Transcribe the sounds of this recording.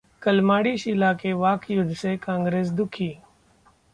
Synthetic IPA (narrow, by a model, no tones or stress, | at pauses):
kəlmaːɽiːʃɪlakeʋaːkjʊd̪ʱsekãːŋɡɾeːs̬d̪ʊkʰiː